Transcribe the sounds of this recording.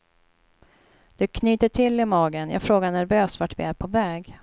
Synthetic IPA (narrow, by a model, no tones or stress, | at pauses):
d̪̥ɵkʰnyːt̪əʈʰɪlːɪmɑːɡənjɑ̰ːɡfɾoːɡaɳæɾvøːsvaʈvɪ̰æɾpʰɔvɛːɡ